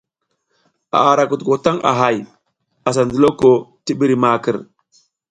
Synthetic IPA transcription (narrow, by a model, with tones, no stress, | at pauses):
a̰˨a˨ɾa˨ku˨tko˨ta˦ŋʔa̰˨ɦa˨j | a˨s̬a˨ndi˨lo˦ko˨ti˦ɓi˦ɾi˨ma˨kə˨ɾ